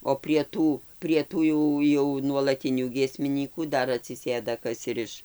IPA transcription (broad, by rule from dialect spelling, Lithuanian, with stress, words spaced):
oː pʲrʲiɛ ˈtuː pʲrʲiɛ ˈtuː jɛʊ jɛʊ nuɔlˠɐˈtʲɪnʲuː ɡʲiɛsʲmʲɪˈnʲiːkuː ˈdɐr ɐtʲsʲɪˈsʲeːdɐ ˈkɐs ɪr ˈɪʃ